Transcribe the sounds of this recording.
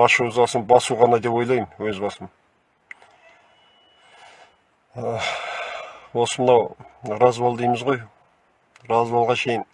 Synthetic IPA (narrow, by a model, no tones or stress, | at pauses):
ɑʃuzɑsəmbɑsuʁɑnɑd̪e̞pwo̞jlˠɑjməwɵzbɑsəm | ə | wo̞səmənɑwɾɑzbɑlˠd̪ijməzʁo̞j | ɾɑzbɑlˠʁɑʃe̞jɪn